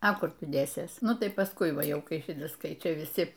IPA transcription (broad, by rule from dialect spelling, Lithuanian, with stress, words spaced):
ɐ ˈkʊr ˈtʊ ˈdʲeːsʲeːs ˈnʊ tɐɪ pɐˈskʊɪ ˈʋɑːˈjɛʊ ˈkɐɪ ˈʃʲɪtɐs ˈkɐɪ ˈt͡ʃʲɛ ʋʲɪˈsʲɪ